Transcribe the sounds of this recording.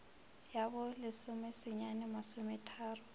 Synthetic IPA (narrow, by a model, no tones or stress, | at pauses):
jabɔlɪsʊmɛsɪɲanɪmasʊmɛtʰaːrʊ